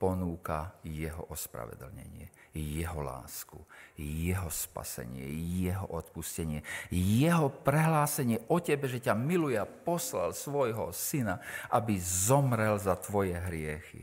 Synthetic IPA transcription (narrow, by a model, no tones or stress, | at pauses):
pɔnuːka̰jɛɦɔ̰ʔɔspɾa̰ʋɛ̰d̪l̩ɲɛ̰ɲɪɛjɛɦɔla̰ːskujɛɦɔspa̰sɛ̰ɲɪɛ̰jɛɦɔʔɔt̪puscɛɲɪɛjɛɦɔpɾɛɦlaːsɛɲɪɛʔɔcɛbɛʒɛcamilujɛapɔsla̰lsʋɔjɦɔsinaʔabizɔmɾɛlzat̪ʋɔjɛɦɾɪɛxḭ